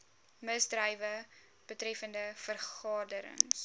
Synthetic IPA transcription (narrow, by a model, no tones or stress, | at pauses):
məsdrəjvə | b̥ətrɛfəndəfərχɑːdəɾə̰ŋs